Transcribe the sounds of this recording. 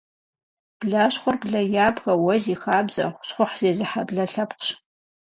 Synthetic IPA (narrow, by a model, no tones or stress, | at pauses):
b̥ɮaɕχʷʊrbɮɐjaːbɣɐwɔziːxaːbzɐ̰χʷʊ̥ɕχʷʊħz̥eːzɨħabɮɐɬɐpqɕ